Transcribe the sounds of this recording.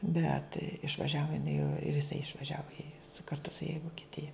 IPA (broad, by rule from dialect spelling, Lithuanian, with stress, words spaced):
ˈbʲɛt ɪʃʋɐˈʒʲæːʋoː jɪˈnɐɪ oː ɪr jɪˈsɐɪ ɪʃʋɐˈʒʲæːʋoː ɪ sʊ kɐrˈtʊ sʊ jɛ ɪ ʋoːkʲɪˈtʲɪjɛ